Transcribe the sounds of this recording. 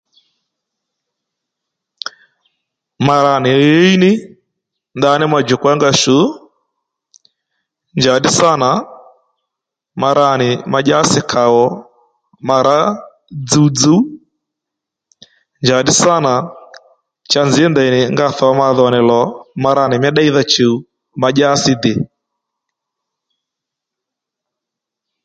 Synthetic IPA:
ma˨ɾa˨nɪ˨jeɛ˦i˦nɪ˦ | nda˨˦nɪ˦ma˨d͡ʒɛ˨kwa˦ŋɡa˦ʃu˨˦ | nd͡ʒa˨dɪ˦sa˦na˨ | ma˧ɾa˨nɪ˨ma˨ʄa˦sɪ˦kʰa˨ɣɔ˨ | ma˨ɾa˦ | d͡zu˨d͡zu˦ | nd͡ʒa˨di˦sa˦na˨ | t͡ʃa˦nzi˨ɛ˦nda˨i˨nɪ˨ŋɡa˦θɔ˨a˦ma˧ðɔ˨nɛ˨lɔ˨ma˨ɾa˨nɪ˨mɛ˦ɗa˦i˦ða˦t͡ʃi˨u˨ | ma˨ʄa˦si˦dɪ˨

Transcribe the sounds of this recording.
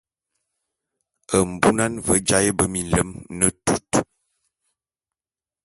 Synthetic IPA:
ə˨m̩˨bu˦na˦nvə˦d͡ʒa˦jə˦bə˦mi˨n˨lə˦mnə˦tu˦t

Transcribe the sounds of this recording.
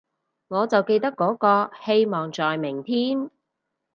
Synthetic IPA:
ŋɔː˨˧t͡sɐ˨wke˧jt̪ɐ˥kːɔː˨˥kɔː˧he˧jmɔː˨˩ŋt͡sɔː˨jmɪ˨˩ŋt̪ʰiː˥m

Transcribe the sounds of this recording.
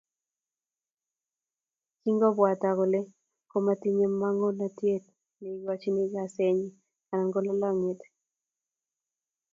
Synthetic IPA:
ki˦ŋɡɔ˦bwa˨ta˨ɡo˨le˦ | ko˦ma˦ti˦ɲe˦mːa˦ŋo˦na˦tje˦t̚ | ne˨˦ɡɔ˦t͡ʃi˦ni˦ɡa˨se˦ɲi˦ | a˨na˨ŋɡo˦la˦lɔ˦ŋɪ˨t̪

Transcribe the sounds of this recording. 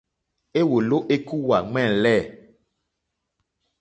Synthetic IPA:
e˦wo˨lo˦ʔe˦ku˦wa˨ŋ͡mɛ̃˦˨lɛ˦˨

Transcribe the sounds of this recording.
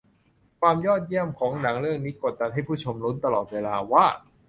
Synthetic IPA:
kʰwaː˧mjɔː˥˩t̪̚ji˥˩əmkʰɔː˩˦ŋna˩˦ŋɾɯ˥˩əŋniː˦˥ko˨˩t̪̚da˧nɦa˥˩jpʰuː˥˩t͡ɕʰo˧mlo˦˥nt̪a˧lɔː˨˩t̪̚weː˧laː˧waː˥˩

